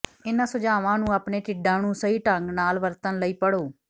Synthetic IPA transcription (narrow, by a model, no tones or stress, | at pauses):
ɪnãːsʊd͡ʒaːʋãːnũːaːpɳeːʈɪɖãːnũːsəiːʈəŋɡnaːlʋəɾt̪ənləiːpəɽoː